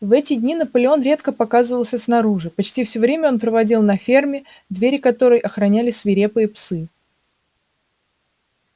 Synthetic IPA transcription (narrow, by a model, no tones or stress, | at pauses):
vɛtʲɪdʲnʲinəpəlʲɪo̞nɾʲe̞t̪kəpɐkazəvəlˠsʲəsn̪ɐɾuʐɨpɐt͡ɕtʲifsʲɵovɾʲemʲəo̞npɾəvɐdʲilˠnɐfʲe̞rmʲɪ | d̪vʲeɾʲɪkɐt̪o̞ɾəjʔɐxɾɐnʲælʲɪsvʲɪɾʲe̞pɨjəpsɨ